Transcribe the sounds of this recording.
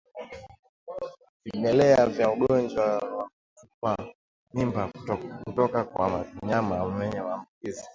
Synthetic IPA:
vimɛlɛavjauɡɔnd͡ʒwawak | tupa | mimbakutɔkakwa̰maviɲamamɛɲɛwaːmbukizi

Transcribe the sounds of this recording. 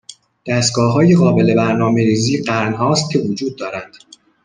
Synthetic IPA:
d̪̥æst̪̚ɡɒːɦɒːjeɣɒːbe̞le̞bæɾnɒːme̞ɾiːziːɢæɾnɦɒːst̪̚cʰe̞vod͡ʒuːd̪̚ːɒːɾænd̪̥

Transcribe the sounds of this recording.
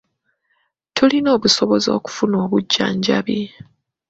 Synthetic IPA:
tʰulino̞ːβusoβo̞zo̞̰ːku̥funo̞ːβuɟːa̰ːɲɟaβi

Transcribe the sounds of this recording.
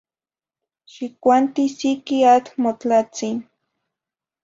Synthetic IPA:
ʃikʷant̪isikiat͡ɬmot͡ɬat͡sin

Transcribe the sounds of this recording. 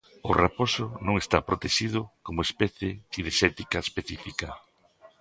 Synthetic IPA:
ʊraposʊnõŋest̪apɾot̪eʃið̞ʊkomʊespɛθjeθiðeʃɛt̪ikaespeθifikɐ

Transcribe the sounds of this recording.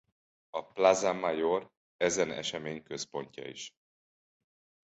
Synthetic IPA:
ɒplazamajor | ɛzɛnɛ̰ʃɛmeːɲkøspo̞ɲcɒ̰iʃ

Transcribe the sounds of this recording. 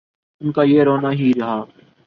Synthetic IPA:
ʊnkaːjeːɾoːnaːɦiɾɐɦaː

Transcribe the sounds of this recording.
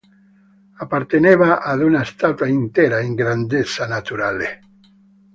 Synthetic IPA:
apaɾt̪eneβaʔaðunaest̪at̪waint̪eɾaeŋɡɾand̪esanat̪uɾale

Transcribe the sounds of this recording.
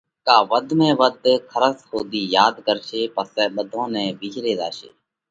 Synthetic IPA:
kaːʋəd̪ʱmɛ̃ːʋəd̪ʱkʰəɾəshoːd̪iːjaːd̪kəɾʃeːpəsɛːɓəd̪ʱõːnɛ̃ːʋiːd͡ʒɾeːd̪a̰ːʃḛː

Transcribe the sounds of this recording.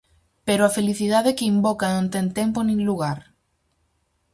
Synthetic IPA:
peɾoafeliθiðaðekɪimbɔkanõnt̪ɛŋt̪ɛmponĩŋluɣaɾ

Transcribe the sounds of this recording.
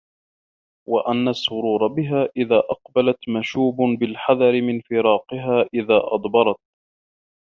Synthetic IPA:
waʔanːasˤːʊɾuːɾˤɑbɪɦaːʔɪðaːʔɑqbalat̪maʃuːbʊbɪlħɑðˤɑɾɪmɪnfɪɾɑːqɪɦaːʔɪðaːʔɑ̰d̪ˤbɑɾˤɑt̪̚

